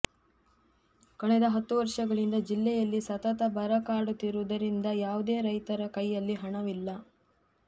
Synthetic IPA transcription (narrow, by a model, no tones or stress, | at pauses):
kɐɳɛd̪ɐɦɐt̪ːuʋɐɾʂɐɡɐɭind̪ɐd͡ʒilːɛjɐlːisɐt̪ɐt̪ɐbɐɾɐkaːɽut̪ːiɾud̪ɐɾind̪ɐjaːʋud̪e̞ːɾɐjt̪ɐɾɐkɐjːɐlːiɦɐɳɐʋilːɐ